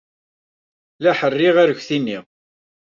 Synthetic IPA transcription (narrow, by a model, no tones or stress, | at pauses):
læħərːɪʁaɾəçʷθinːi